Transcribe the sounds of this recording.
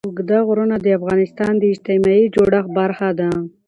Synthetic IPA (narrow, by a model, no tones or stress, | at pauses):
ʊɡd̪aɣɾunad̪əafɣɑnɪst̪ɑnd̪əɪd͡ʒt̪ɪmɑid͡ʒoɽaxbaɾxad̪a